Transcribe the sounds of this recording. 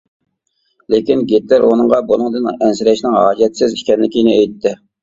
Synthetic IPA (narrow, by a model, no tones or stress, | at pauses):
lekʲinɡʲet̪læɾonɨŋʁɑbolˠɨŋd̪ɨnɛnsɪɾɛʃnɪŋɦɑ̰ːd͡ʒɛt̪sɪzi̥ʃkʲɛnlɪkʲinɪɛjt̪ʰːɪ